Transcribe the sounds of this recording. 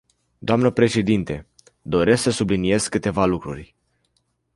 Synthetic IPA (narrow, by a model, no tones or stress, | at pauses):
d̪oamnəpɾe̞ʃe̞d̪int̪e̞ | d̪o̞ɾe̞sksəsublinije̞z̥kɨt̪e̞valukɾṵrʲ